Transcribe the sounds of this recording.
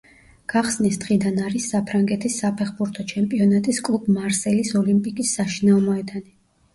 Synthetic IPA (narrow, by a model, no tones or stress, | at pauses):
ɡ̥aχsnisd̪ʁid̪anaɾisːapʰɾaŋɡɛt̪ʰisːapʰɛχbuɾt̪ʰɔt͡ʃʰɛmpʼiɔnat̪ʼiskʼlˠubmaɾsɛlisɔlimpʼikʼisːaʃinaɔmɔɛd̪ani